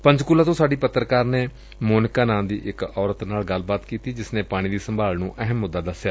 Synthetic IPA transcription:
pə̃ɲd͡ʒkʊlːaːt̪õːsaːɖiːpət̪ːɾəkaːɾneː | moːnɪkaːnãːnd̪ḭːʔɪkɔːɾət̪naːlɡəlbaːt̪kiːt̪iːd͡ʒɪsnẽːpaːɽ̃iːd̪iːsəmbʱaːlnũːʔəɦəmːʊd̪ːaːd̪əsjaː

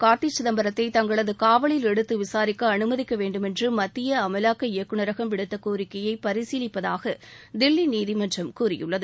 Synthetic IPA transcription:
kaːʈ̪ːit͡ʃːɪðɐmbɐɾɐt̪ːɐɪt̪ɐŋɡɐɭɐðɯkaːʋɐɭɪlɛɽɯt̪ːɯʋɪsaːɾɪkːɐɐnɯmɐðɪkːɐʋeːɳɖɯmɛndrɯmɐt̪ːɪjɐɐmɐlaːkːɐɪjɐkːɯɳɐɾɐɣɐmʋɪɽɯt̪ːɐkoːɾɪkːɐjɐɪpɐɾɪsiːlɪpːɐðaːɣɐ | d̪ɪlːiniːðɪmɐnd͡ʒrɐmkuːrɪjɯ̰ɭːɐðɯ

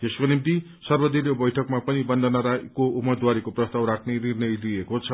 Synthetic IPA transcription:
t̪eskonimt̪i | sʌrbʌd̪ilebʌjʈʰʌkmapʌnibʌnd̪ʱʌnʌɾakoumːʌd̪waɾekoprʌst̪awɾakʰnenirnʌjliekot͡sʰʌ

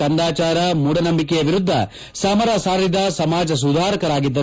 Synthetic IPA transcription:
ɐnd̪aːt͡ʃaːɾɐmuːɽɐnɐmbikɛjɐʋiɾud̪ʱːɐ | saːmɐɾaːsaːɾɾid̪ɐsɐmaːd͡ʒɐs̬ud̪ʱaːɾɐkɐɾaːɡid̪ːɐ

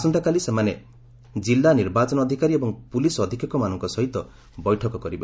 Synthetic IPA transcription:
sɔnt̪ʰakalisemane | d͡ʒilːaniɾbat͡ʃɔnɔɔd̪ʱikaɾiebɔŋpulisɔd̪ʱikɔkɔmanɔŋkɔsɔɦit̪ɔ | bɔjʈʰɔkɔkɔɾibɔ

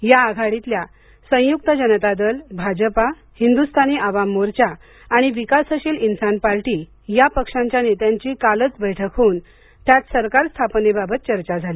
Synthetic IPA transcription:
jaːɡʱaɽit̪lja | sə̃j̃juk̚t̪əd͡ʑənət̪ad̪əlbʱad͡ʑəpa | hind̪ust̪ʰaniʔaʋamːoɾt͡ɕaː | ɽ̃iʋikasəɕilinsanpaɾʈi | japəkʂãɲt͡ɕjanet̪jaɲt͡ɕiːkalət͡sbəjʈʰəkʰoːn | t̪jat̪səɾkaɾst̪ʰapnebabʱət̪̚t͡ɕəɾt͡ɕad͡zʱali

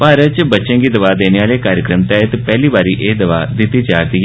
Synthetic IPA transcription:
paɾɐt͡ɕɨbɐt͡ɕɐŋɡid̪ɐʋaːd̪enjaːleːkaːɾjɐkɾɐmt̪aːjɐt̪ɨpelːibaɾiʔeːd̪ɐʋa̰ːd̪it̪ːit͡ɕaːt̪iɡ

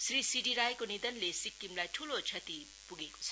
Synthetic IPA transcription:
srisiɖiɾajkonid̪ʌnlesikːimlajʈʰulot͡sʰʌt̪i | puɡeko̥t͡sʰʌ̥

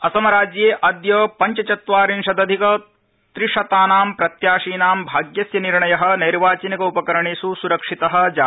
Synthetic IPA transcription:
ɐsɐmɐɾaːd͡ʒjeːʔɐd̪jɐpɐɲt͡ʃɐt͡ʃɐt̪ʋaːɾinʂɐd̪ɐd̪ʱikɐ | t̪ɾiʂɐt̪aːnaːmpɾɐt̪jaːʂiːnaːmbʱaːɡjɐsjɐniɾɳɐjɐɦɐ̆nɐjɾʋaːt͡ʃinɐkɐupɐkɐɾɐɳisusuɾɐkʂit̪ɐɦɐ̆d͡ʒaː

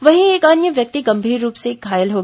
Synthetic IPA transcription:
ʋɐɦĩeːkaːnjəʋjɐk̚t̪iɡɐ̃mbʱiːɾːuːpsekɡʱaːjəlɦoːɡ

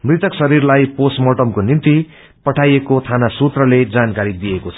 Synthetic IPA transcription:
mrit̪ʌksʌɾirlajposmoʈʌmkonint̪i | pʌʈʰajekot̪ʰanasut̪rʌled͡zankaɾid̪ijekot͡sʰʌ

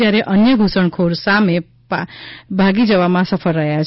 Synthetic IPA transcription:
aɾeʔʌnjʌɡʱusʌɳkʰoɾsame | pbʱaɡid͡zʌβamasʌpʰʌlɾʌɦjat͡sʰ

